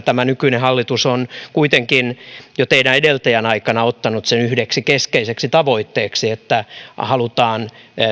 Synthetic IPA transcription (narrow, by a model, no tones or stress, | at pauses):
t̪æmænykyinehɑlːit̪usonkuit̪eŋkinjot̪eiɾæedelt̪æjænɑikɑnɑot̪ːɑnut̪senyhdeksikeskeiseksit̪ɑʋoit̪ːeːksiet̪ːæhɑlut̪ɑːn